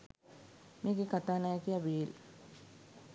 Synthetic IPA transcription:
mikikat̪aːnakiaʋiːl

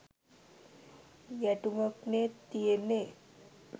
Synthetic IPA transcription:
jæʈuməknet̪ijene

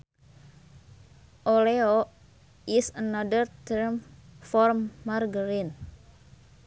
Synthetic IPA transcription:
ʔoleo | isənadərt̪əɾmfɔrmːarɡəɾin

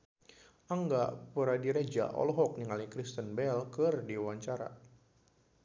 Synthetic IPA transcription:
ʔaŋɡapəɾadiɾed͡ʒa̰ʔɔ̰lɔɦɔk̚niŋalikɾist̪ənbɛlkɨrdiwaɲt͡ʃaɾa̰

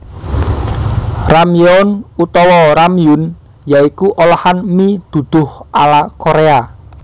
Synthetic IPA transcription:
ramiɔnut̪ɔwɔɾamijʊn | jaikuʔolahanmid̪̥ṳd̪̥ʊ̤hʔalakoɾea

